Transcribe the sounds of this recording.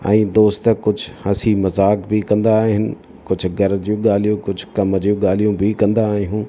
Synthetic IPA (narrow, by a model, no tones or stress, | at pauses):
ɛ̃ːd̪oːst̪kʊd͡ʑʱʊhɐsimɐzaːkbikɐ̃nd̪aːɦɪnɪ̆ | kʊd͡ʑʱʊ̆ɡɐɾd͡ʑũɠaːl̤ijũkʊd͡ʑʱʊkɐməd͡ʑjũɠaːl̤ijũbikɐ̃nd̪aːɦijũː